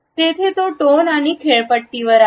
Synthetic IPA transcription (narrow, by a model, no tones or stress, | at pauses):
t̪et̪ʰet̪oʈonaɽ̃ikʰeɭpəʈt̪iʋəɾa